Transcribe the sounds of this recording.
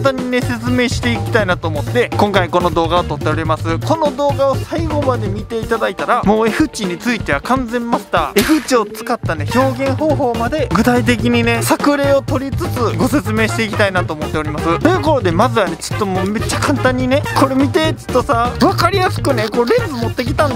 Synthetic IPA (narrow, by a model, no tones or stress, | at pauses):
ant̪ãɲ̟ːine̞se̞t͡sɨme̞ːɕi̥t̪e̞ikʲi̥t̪ainat̪o̞ːmo̞t̪ːe̞kõ̞ŋkaiko̞no̞d̪o̞ːɡaot̪o̞t̪ːe̞oɾʲimasɨko̞no̞d̪o̞ːɡao̞saiɡo̞mad̪e̞mʲit̪e̞it̪ad̪ait̪aɾamo̞ːe̞ɸɯ̟t͡ɕiɲ̟it͡sɨit̪e̞βakãnd͡zẽ̞mːaɕi̥t̪a̰e̞ɸɯ̟t͡ɕio̞t͡sɨ̥kat̪ːane̞ço̞ːɡẽ̞ɰ̃ɦo̞ːɦo̞ːmad̪e̞ɡɯ̟t̪ait̪̬e̞k̬ʲiɲ̟ine̞sakɯ̟ɾe̞ːo̞t̪o̞ɾʲit͡sɨt͡sɨɡo̞se̞t͡sɨme̞ːɕi̥t̪e̞ikʲit̪ainat̪o̞ːmo̞t̪ːe̞o̞ɾʲimasɨt̪o̞jɯ̟ːko̞ɾo̞d̪e̞mazɨβane̞t͡sɨ̥t̪ːo̞moːme̞t͡ɕːakãnt̪ãɲ̟ːine̞ko̞ɾe̞mʲit̪e̞t͡sɨ̥t̪ːo̞saβakaɾʲijasɨ̥kɯ̟ne̞koɾẽ̞sɨmo̞t̪ːe̞kʲi̥t̪ãn